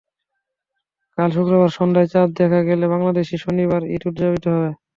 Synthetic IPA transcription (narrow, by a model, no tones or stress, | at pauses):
kalʃukɾobaɾʃɔnd̪aet͡ɕat̪̚d̪ɛkʰaɡeleβaŋlad̪eʃiʃoniβaɾḭʈuʈd͡ʑabit̪oɦɔe